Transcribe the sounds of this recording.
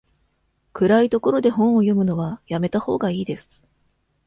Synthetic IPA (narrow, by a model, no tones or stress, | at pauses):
kɯ̟ɾait̪o̞ko̞ɾo̞d̪e̞ɦõ̞ɰ̃o̞jo̞mɯ̟no̞βajame̞t̪aho̞̰ːɡaiːd̪e̞sɨ̥